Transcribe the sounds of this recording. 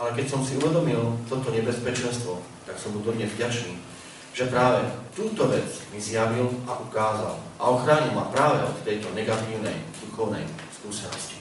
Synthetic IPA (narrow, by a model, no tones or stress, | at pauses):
alɛkɛcsɔmsiuʋɛd̪ɔmilt̪ɔt̪ɔɲɛbɛspɛt͡ʃɛnst̪ʋɔ | t̪aksɔmt̪ud̪ɔɲɛzvɟat͡ʃniː | ʒ̥ɛpɾaːʋɛt̪uːt̪ɔʋɛt͡smizjaʋilaʔukaːza̰lʔaɔxɾaːɲilmapɾaːʋɛɔt̪t̪ːɛjt̪ɔnɛɡat̪iːʊnɛ̰jd̪uxɔʊnɛ̰jskuːsɛnɔ̰sci̥